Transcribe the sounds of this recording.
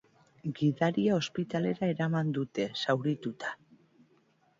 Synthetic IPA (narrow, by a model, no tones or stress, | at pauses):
ɡiðaɾiao̞spit̪ale̞ɾae̞ɾamand̪ut̪e̞sawɾit̪ut̪ḁ